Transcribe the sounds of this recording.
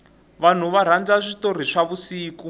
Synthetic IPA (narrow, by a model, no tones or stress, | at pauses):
βan̤uβaɾ̤and͡zaʂitor̤iʂaβusiːku